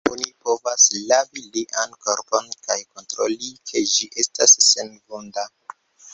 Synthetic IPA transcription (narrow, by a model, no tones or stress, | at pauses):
onipo̞vaslaviliʔanko̞ɾpo̞nkajko̞ntɾolikʰe̞d͡ʒiʔe̞stasːenɡonda